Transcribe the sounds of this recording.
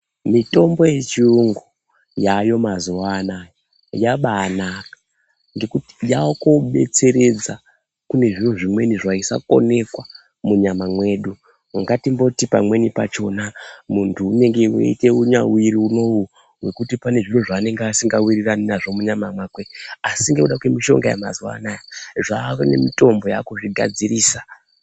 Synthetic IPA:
mito̞mbo̞je̞t͡ʃiuŋɡu | jajo̞mazuʋaːnaːjo | jaɓaːnakḁ | ŋɡe̞kuti̥jakoɓe̞̰t͡se̞ɾe̞d͡za | kune̞ʐiroʐimwe̞niʐaisa̰ko̞̰ne̞kwa | muɲamamwe̞ːɗu | aŋɡatimbo̞tipa̰mwe̞nipat͡ʃo̞namuntʰuːne̞ŋɡewḛite̞uɲawiɾiuno̞wu | we̞kutipane̞ʐiroʐaːne̞ŋɡeasiŋɡawiriraninaʐo̞muɲamamwakweasiŋɡe̞uɗakwe̞miʃo̞̰ŋɡaja̰ma̰zwa̰najaʐaone̞̰mito̞mbo̞jakoʐiɡʱa̰d͡ziɾiːsḁ

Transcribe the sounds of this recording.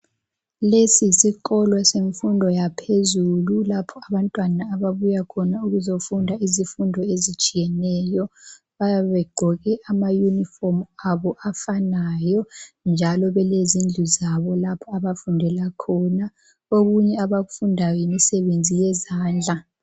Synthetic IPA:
lesisiǃɔlwaseɱfundʱɔjapʰezululapʰɔaβantʼwanaːβaβujakʰɔnauɣuzofundʱaizifundʱɔezit͡ʃʼijɛnɛːjɔ | βajaβɛɡ͡ǃʱɔɣɛʔamajunifɔmaβɔʔafanajɔnd͡ʒʱalɔβɛlezind͡ɮʱuzaβɔlapʰɔaβafundʱɛlakʰɔna | oɣuɲɛaβaɣufundʱajimisɛβend͡zʱijɛzaːnd͡ɮʱa

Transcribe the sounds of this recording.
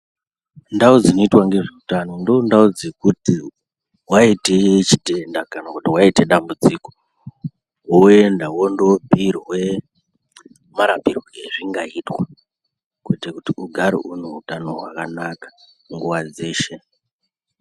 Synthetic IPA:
ndaud͡zinoitwaŋɡe̞ʐiutano̞ndondaud͡zekuti | waitet͡ʃite̞ndakanakutiwaite̞ɗambud͡ziko | oendawondobʱiɾiwe̞ | maɾapirwoɡeʐiŋɡaitwa | kuitekutiuɡʱaɾḛʔuneutano̞ɦwa̰kanakḁ | ŋɡuwad͡ze̞ːʃe̞

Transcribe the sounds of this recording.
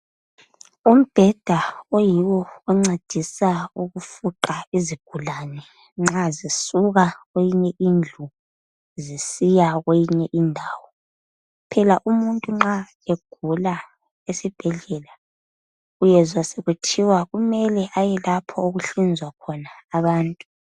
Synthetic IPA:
um̩b̥ʱɛd̥ʱaojiwɔːŋ͡ǀed̥ʱisauɣufuǃaiziɡ̥ʱulaːnɛ | ŋ͡ǁazisuɣaɣwejiɲɛʔind͡ɮʱu | zisijaɣejiɲɛʔindʱaːwɔ | pʰɛlaʔumuntʼuŋ͡ǁa | eɡ̥ʱula | esib̥ʱɛɮɛla | ujɛzwaseɣutʰiwaɣumɛlɛʔajɛlapʰɔoɣuɬind͡zʱwakʰɔnaːβaːntʼu

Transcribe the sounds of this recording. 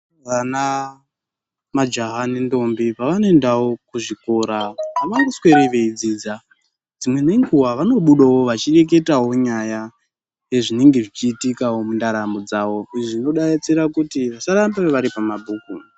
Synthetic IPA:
ʋana | mad͡ʒaɦanendo̞mbipaʋanoendawo̞kuʐiko̞ɾaʋpamaŋɡosweɾeʋeid͡ziːd͡za | d͡zimwe̞neŋɡuwaʋano̞ɓuɗowoʋat͡ʃire̞k̬e̞taɦo̞ɲaja | jeʐine̞ŋɡe̞ʐit͡ʃiːtikawo̞mundaɾamod͡zaːwo̞iʐino̞ɗaet͡siɾakutiʋasaɾambeeʋaɾipamabʱuːku

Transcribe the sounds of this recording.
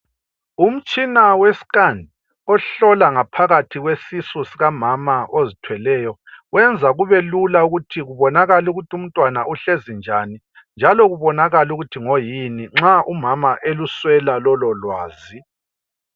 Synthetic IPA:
um̩t͡ʃʼinawesi̥kʼandʱi | ɔɬɔlaŋapʰaɣatʰiɣwesisusiɣamamaozitʰwɛlɛːjɔwɛnd͡zʱaɣuβɛlulauɣutʰiɣuβɔnaɣaluɣutʰium̩tʼwanauɬezind͡ʒʱani | nd͡ʒʱalɔɣuβɔnaɣaluɣutʰiŋojiniŋ͡ǁaʔumamaʔeluswɛlalɔlɔlwaːzi

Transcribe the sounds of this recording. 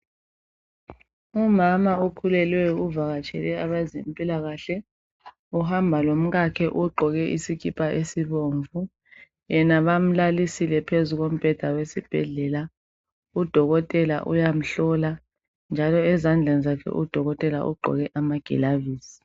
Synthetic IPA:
umamaokʰulɛlwɛuvaɣat͡ʃʰʼɛ̰lɛaβazimpʼilaɣaɬɛ | uhambʱalom̩ɣakʰɛʔuɡ͡ǃʱɔɣɛʔisikipʼaʔesiβoːɱvu | jɛnaβam̩lalisilɛpʰezuɣom̩b̥ʱɛd̥ʱawesib̥ʱɛ̰ɮɛla | ud̥ʱɔɣɔtʼɛla̰ʔṵjam̩ɬɔla | nd͡ʒʱalɔɛzand͡ɮʱɛnizakʰɛ̰ʔud̥ʱɔɣɔtʼɛla̰ʔṵɡ͡ǃʱɔ̰ɣɛʔamaɡ̥ʱɛ̰laviːsi̥

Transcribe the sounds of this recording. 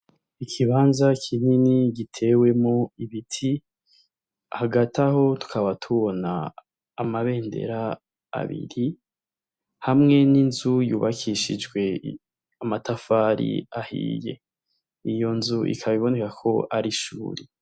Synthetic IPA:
ikʰiβaːnzakʰininiɡitʰe̞ːwe̞moiβitʰi | ahaɡataho̞tu̥kʰaβatʰuβona̰ː | maβe̞ːnde̞̰ɾa̰ː | βḭɾi | hamŋe̞ninzujuːβakʰiʃid͡ʒɡwe̞ | amatafaːɾḭahḭːje̞̰ | ijo̞nzuʔḭkʰaβiβo̞ne̞kakʰo̞ʔaɾiʃṵːɾi

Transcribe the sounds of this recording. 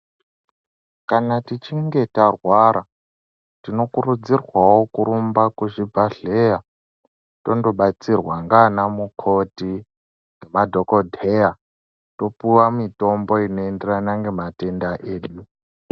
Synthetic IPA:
kanatit͡ʃiŋɡe̞tarwaɾa | tino̞kuɾud͡zirwawo̞kuɾumbakuʐivʱaɮeja | to̞ndo̞ɓat͡sirwaŋɡanamukʰo̞ti | ŋɡemadʱoko̞dʱeja | to̞puwamito̞mbo̞ino̞enderanaŋɡe̞mate̞ndaʔe̞ːɗu

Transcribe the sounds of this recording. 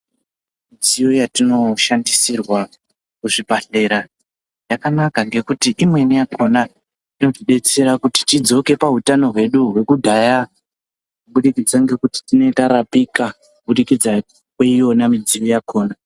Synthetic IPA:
mid͡zijo̞jatino̞ʃandisirwa | kuʐibʱaɬe̞ɾa | jakanakaŋɡe̞kutiʔimwe̞nijakʰo̞na | tino̞tiɗe̞t͡se̞ɾakuti̥tid͡zo̞ke̞paɦutano̞ɦwe̞ɗuɦwe̞kudʱaja | kuɓuɗikid͡zaŋɡe̞kuti̥tino̞itaɾapikakuɓuɗikid͡za | kweijo̞namid͡zijojakʰo̞ːna

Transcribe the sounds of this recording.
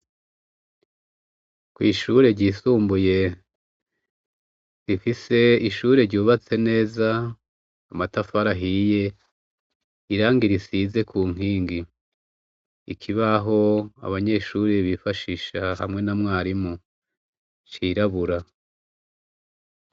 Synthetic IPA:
kwiːʃuɾe̞ɾɟiːsuːmbuje̞ | zifise̞iʃuːɾe̞ɾɟuːβat͡se̞ne̞ːzaː | matafaɾaɦije̞ | iɾaːŋɡiɾisize̞kʰuːŋ̥iːŋɡi | ikʰiβaɦo̞a̰βaɲe̞ːʃuːɾeβifaʃiʃaha̰mŋe̞namŋaːɾimu | t͡ʃiːɾaβuɾa

